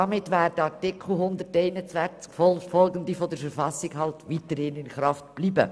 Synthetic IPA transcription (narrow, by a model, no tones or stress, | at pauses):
ɑmɪtʋæːɾdəɑɾtɪkʰl̩ˠɦʊnd̪əɾtɛɪnət͡sʋænt͡skfɔlfɔlɡənd̪ifɔd̪əɾfəɾfɑsːɪɡhɑltʋit̪əɾhɪnɪnχɾɑftb̥liːbə̰